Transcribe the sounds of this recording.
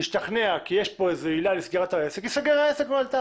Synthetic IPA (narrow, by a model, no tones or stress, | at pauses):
iʃt̪aχneakijeʃpo̞ezeilalesɡeʁat̪aesekisaɡeʁaesekmoalt̪a